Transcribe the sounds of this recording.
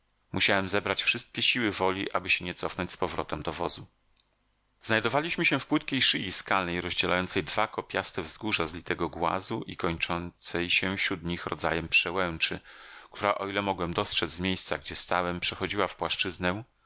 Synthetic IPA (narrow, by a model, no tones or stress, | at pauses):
muɕawɛmzɛbɾat͡ɕfʂɘst̪̚kʲɛɕiwɘvɔlʲiʔabɘɕɛɲɛt̪sɔfnɔɲt͡ɕʲspɔvɾɔt̪ɛmd̪ɔvɔ̰zu | znajd̪ɔvalʲiɕmɘɕɛfpwɘt̪kʲejʂɨjiskalnɛjɾɔʑd͡ʑɛla̰jɔnt̪sɛjd̪vakɔpʲjast̪ɛvzɡuʐazlʲit̪ɛɡɔɡwa̰zuʔikɔɲt͡ʂɔnt̪sɛjɕɛfɕɾud̪ɲixɾɔ̰d̪za̰jɛmpʂɛwɛwt͡ʂɘk̚t̪ʰuɾaʔɔilɛmɔɡwɛmd̪ɔstʂɛd͡z̪ʲzmʲjejst̪saɡd͡ʑɛst̪awɛmpʂɛxɔd͡ʑiwafpwaʂt͡ʂɘznɛ̃